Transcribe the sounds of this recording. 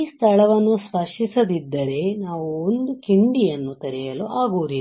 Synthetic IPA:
iːst̪ʰɐɭɐʋɐnːuspɐʂisɐd̪id̪ːɐɾe̞naːʋuond̪ukiɳɖijɐnːut̪ɐɾijɐluʔaːɡuːɾi

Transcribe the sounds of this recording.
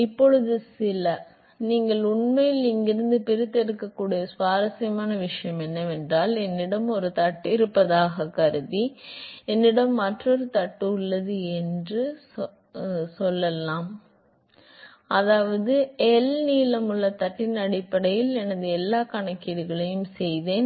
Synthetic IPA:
ɪpːɔɻɯðɯsɪlɐ | niːŋɡɐɭʊɳmɐjɪlɪŋɡɪɾɯnd̪ɯpɪɾɯt̪ːɛɾɯkːɐkːuːɽijɐsʋaːɾɐsɐjɐmaːnɐʋɪʂɐjɐmɛnːɐʋɛndraːlɛnːɪɽɐmɔɾɯt̪ɐʈːɪɾɯpːɐðaːɣɐkɐɾɯðiɛnːɪɽɐmːɐʈrɔɾɯt̪ɐʈːɯʊɭːɐðɯɛndrɯ | sɔlːɐlːãːm | ɐðaːʋɐðɯɛlniːlɐmɯɭːɐt̪ɐʈːɪnɐɽɪpːɐɽɐjɪlɛnɐðɯɛlːaːkɐɳɐkːɪðɯɣɐɭɐjɯmsɛjðeːn

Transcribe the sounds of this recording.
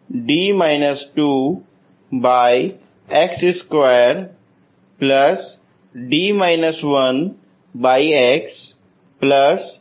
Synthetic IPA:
ɖiːmaːɪnəsʈuː | baːj | eksɪskʋajəɾ | plɐs | ɖiːmaːɪnəsʋɐn | baːieks | pləs

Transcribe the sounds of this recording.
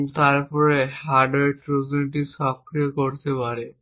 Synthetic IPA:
t̪aɾpɔɾehaɖeɾpɾod͡ʑonʈ̬isɔkɾijekoɾt̪epaɾe

